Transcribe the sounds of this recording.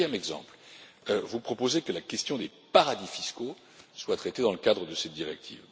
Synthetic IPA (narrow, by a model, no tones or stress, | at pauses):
jɛmɛɡzɑ̰̃pl | øvupχɔpozekəlakʲɛst̪jɔ̃d̪e | paʁad̪ifisko | swat̪χɛt̪ed̪ɑ̃ləkad̪ʁəd̪əsɛt̪̚d̪iʁɛk̚t̪ʰḭːv